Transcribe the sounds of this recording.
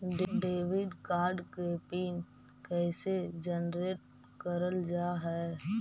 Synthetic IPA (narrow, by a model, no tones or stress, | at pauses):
ɖɖeːʋɪɖkaːɾɖkeːpiːn | kɛːsed͡ʒənɾeːʈ̚ | kəɾəld͡ʒaːɦɛː